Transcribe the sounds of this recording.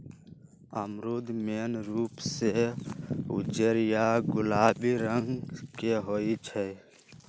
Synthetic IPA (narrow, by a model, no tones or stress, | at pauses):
əmɾuːd̪meːnɾuːpse | ʊ̰d͡ʒəɾjaɡʊlaːbiɾəŋɡkeɦoːit͡ʃʰɛ